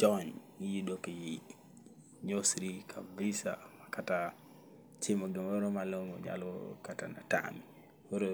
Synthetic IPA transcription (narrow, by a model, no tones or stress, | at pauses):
d͡ʒɔn | ijidokeji | ɲosɾikʰabisa̰makata | t͡ʃimoɡɛmoɾomalomɔ̰ɲa̰lɔ̰katana̰ta̰mi | woɾo